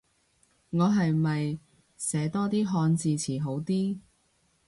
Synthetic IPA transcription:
ŋɔː˨˧ɦɐ˨jmɐ˨j | sɛː˨˥t̪ɔː˥t̪iː˥ɦɔː˧nt͡siː˨˧t͡sʰiː˨˩ɦo˨˥wt̪iː˥

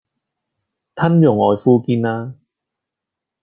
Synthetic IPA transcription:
t̪ʰɐ˥njʊ˨˩ŋɔː˨jfuː˧kiː˧naː˧

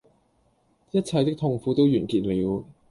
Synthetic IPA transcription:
jɐ˥t̚t͡sʰɐ˨˧jt̪ɪ˥k̚t̪ʰʊ˧ŋfuː˨˧t̪o˥wjyː˨˩nkiː˧t̚liː˨˧w

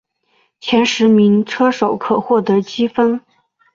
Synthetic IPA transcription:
t͡ɕʰjɛ˧˥nʂɻ̩˧˥mi˧˥ŋʈ͡ʂʰɤ˥ʂo˨˩ʊkʰɤ˨˩xwɔ˥˩t̪ɤ˧˥t͡ɕi˥fə˥n

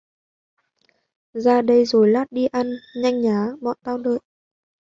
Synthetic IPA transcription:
zaː˧ɗə˧jzo˨˩jlaː˦˥t̚ɗi˧ʔa˧nɲa˧jŋ̟ɲaː˨˦ɓɔ̰ː˧˨nt̪aː˧wɗə̰ː˧˨j

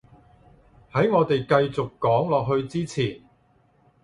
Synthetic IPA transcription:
hɐ˨˥jŋɔː˨˧t̪e˨jkɐ˧jt͡sʊ˨kːɔː˨˥ŋlɔː˨k̚ɦɵ˧ɥt͡siː˥t͡sʰiː˨˩n

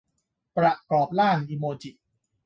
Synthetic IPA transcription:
pɾa˨kɔː˨˩p̚laː˥˩nʔi˧moː˧t͡ɕi˨˩ʔ

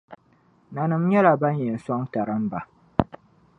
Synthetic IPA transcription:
na˨nɨ˨m˦ɲɛ˦la˨ba˦ɲjɛ˨n̩˨sɔ˦ŋta˨ɾɨ˦mba˨

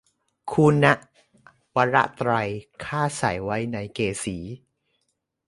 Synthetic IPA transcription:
kʰu˧na˦˥ʔ | wa˧˥ɾa˦˥ʔt̪ɾa˧jkʰaː˥˩sa̰˨˩˦jwa˦˥jna˧jkeː˧siː˩˦

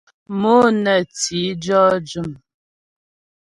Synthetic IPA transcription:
mo˦nɛ˨t͡si˨˦d͡ʒɔ˦d͡ʒu˦˨m

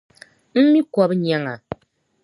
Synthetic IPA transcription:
m̩˦mi˦kɔ˦pɲa˦ŋa˨

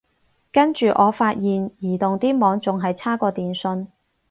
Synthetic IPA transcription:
kɐ˥nt͡ʃyː˨ʔɔː˨˧faː˧t̚jiː˨njiː˨˩t̪ʊ˨ŋt̪iː˥mɔː˨˧ŋt͡sʊ˨ŋɦɐ˨jt͡sʰaː˥kɔː˧t̪iː˨nsɵ˧n

